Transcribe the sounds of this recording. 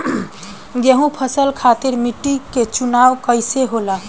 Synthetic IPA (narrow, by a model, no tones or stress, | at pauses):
ɡeɦũpʰəsəlkʰat̪iɾmiʈːiket͡ʃunaʋkəɪseɦola